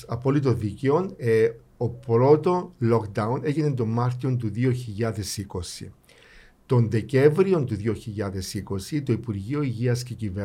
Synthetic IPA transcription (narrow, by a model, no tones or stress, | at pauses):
ɐpo̞lit̪̬oðiceo̞ne | opɾo̞t̪o̞lokd̪ɐune̞ʝine̞nt̪o̞mːɐɾt̪io̞nt̪̬uðio̞çiʎːɐðe̞siko̞sḭ | t̪o̞nðe̞ce̞ɱvɾio̞nt̪uðio̞çiʎːɐðe̞siko̞sit̪oipuɾʝio̞iʝiɐsce̞cive